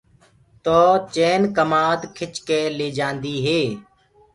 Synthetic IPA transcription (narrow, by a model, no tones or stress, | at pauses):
t̪oːt͡ʃeːnkəmaːd̪kʰɪt͡ʃkeːleːd͡ʒãːnd̪iːɦeː